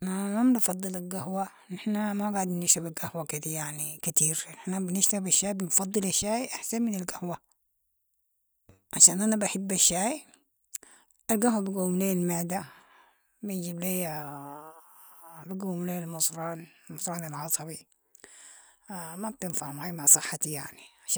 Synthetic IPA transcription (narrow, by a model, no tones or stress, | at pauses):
namamnfɑd̪ˤːɨlalɡahwa | nɪħnamaɡaʕd̪nnɪʃabalɡahwakid̪ijaʕnikat̪iːɾnɪħnabnɪʃt̪abaʃːaːjbɪnfɑd̪ˤːɨlaʃːaːjʔaħsanmɪnalɡahwa | ʕaʃaːnʔanabaħɪbːaʃːaːj | ʔalɡahwabɪɡuwmleːlmaʕd̪a | bɪnd͡ʒible | bɪɡawmleːlmʊsˤɾˤɑːnlmʊsˤɾˤɑːnalʕɑsˤɑbi | mab̚t̪ɪnfaʕhʊmhajmaʕsˤɨħːat̪ijaʕniʕaʃ